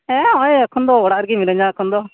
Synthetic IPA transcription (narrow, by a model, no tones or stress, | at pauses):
ɛ̃ɔjakʰɔnd̪ɔɔɽaʔɾɡimiɾə̃ɲd͡ʒakʰɔnd̪ɔ